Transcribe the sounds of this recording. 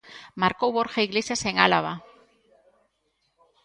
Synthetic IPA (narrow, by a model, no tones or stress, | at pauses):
maɾkowβoɾxaiɣlesjaseŋalaβa